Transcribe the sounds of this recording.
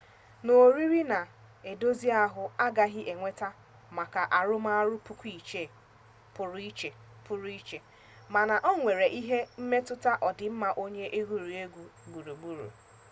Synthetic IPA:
no˨ɾi˦ɾi˦na˨ | e˨do˦zi˦a˦ɦʊ˨a˦ɡa˦ɦɪ˦ʔe˨ŋʷe˦ta˦ | ma˨ka˨ʔa˨ɾʊ˦ma˦a˦ɾʊ˦pʊ˦kʷi˨t͡ʃe˦˨ | pʊ˨ɾʊ˦i˦t͡ʃe˨ | pʊ˦ɾu˦i˦t͡ʃe˨ | ma˨na˨ʔɔ˦ŋʷe˨ɾe˨ʔi˦ɦe˦m̩˦me˦tʊ˦ta˦ʔɔ˨dɪ˨m̩˦ma˨ʔo˦ɲe˦ʔe˦ɡu˨ɾu˨e˦ɡʷu˨ɡ͡bu˨ɾu˨ɡ͡bu˦ɾṵ˨

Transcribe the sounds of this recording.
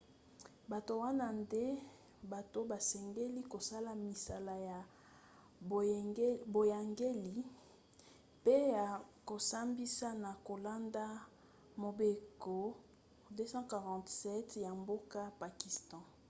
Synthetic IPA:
ba˨to˨wa˦na˦nde˦ | ba˨to˨ba˨sɛ˨ŋɡe˦li˦ko˨sa˦la˨mi˨sa˨la˨ja˨˦ | bo˨ja˨ŋɡe˦li˨ | pe˦ja˨ko˨sa˦mbi˦sa˦na˨ko˨la˦nda˦ | mo˨be˨ko˨ | de˦sɑ̃˦ka˨ʁɑ̃˨tsɛ˦tja˨mbo˦ka˦pa˨ki˨stɑ̃˨

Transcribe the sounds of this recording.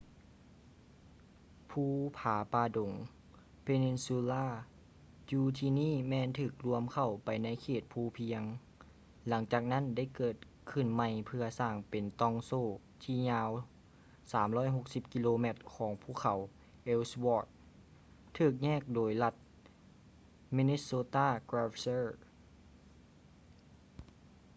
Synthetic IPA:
pʰuː˧˩pʰaː˨˩˦paː˧do˨˩˦ŋ | pʰe˧ni˧nsu˧laː˧˥˩ | juː˧t̪ʰiː˧niː˥˨mɛː˧˨nt̪ʰɯː˧˩k̚lu˧əmkʰa˧˩wpa˨˩jna˧˥˨jkʰeː˧˩t̪̚pʰuː˧˩pʰi˧˥əŋ | la˩˦ŋt͡ɕaː˨˩k̚na˥˨nda˥˩jkɤː˨˩t̪̚ | kʰɯ˧˩nma˧˩jpʰɯ˧ɐsaː˧˩ŋpe˨nt̪ɔ˧˩ŋsoː˧˩ | t̪ʰiː˧˩ɲaː˧w | saː˩˦mlɔː˥˨jɦo˧˩k̚si˧p̚ki˧loː˧mɛ˧˩t̪̚kʰɔː˩˦ŋpʰuː˧˥˩kʰa˨˦w | ʔe˧˩swɔː˧˩t̪̚ | t̪ʰɯː˨˩k̚ɲɛː˥˨k̚doː˨˩jla˧˩t̪̚ | mi˧ne˧˥soː˧t̪aː˥˩kɾaː˧fsɤː˥˩

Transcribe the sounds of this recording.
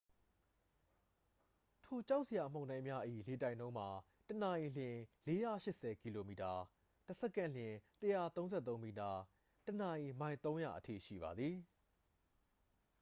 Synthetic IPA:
tʰo˨t͡ɕa˦ʊʔse˨ja˨m̥õ˦˨nã˦ɪ̃mja˦ʔḭ˦˨le˨tã˦˨ɪ̃nõ˦ʊ̃m̥a˨ | təna˨ʔi˨lɪ̃˨le˦ja˦˨ʃɪ˦ʔsɛ˨ki˨lo˨mi˨ta˨ | təsɛ˦˨kã˦˨lɪ̃˨təja˦˨t̪õ˦ʊ̃nzɛ˦˨t̪õ˦mi˨ta˨ | təna˨ʔi˨mã˨ɪ̃nt̪õ˦ʊ̃ja̰˨ʔətʰḭ˦˨ʃḭ˦˨ba˨d̪ði˨

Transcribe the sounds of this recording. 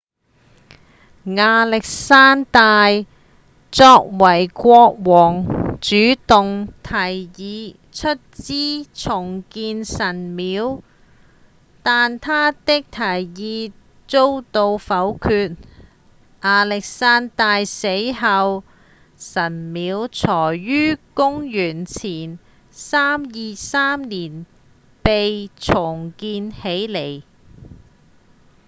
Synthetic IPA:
ŋaː˨˧lɪ˨k̚saː˥nt̪aː˧j | t͡sɔː˧k̚wɐ˨˩jkʷɔː˧k̚wɔː˨˩ŋt͡ʃyː˨˥t̪ʊ˨ŋt̪ʰɐ˨˩jjiː˨˧ | t͡ʃʰɵ˥t̚t͡siː˥t͡sʰʊ˨˩ŋkiː˧nsɐ˨˩nmiː˨˥w | t̪aː˨nt̪ʰaː˥t̪ɪ˥k̚t̪ʰɐ˨˩jjiː˨˧ | t͡so˥wt̪o˧wfɐ˨˥wkʰyː˧t̚ | ʔaː˧lɪ˨k̚saː˥nt̪aː˨˧jse˨˥jɦɐ˧w | sɐ˨˩nmiː˨˧˥wt͡sʰɔː˨˩jɥyː˥kʊ˥ŋjyː˨˩nt͡sʰiː˨˩n | saː˥mjiː˨saː˥mniː˨˩n | pe˨jt͡sʰʊ˨˩ŋkiː˧nhe˨˥jle˨˩j

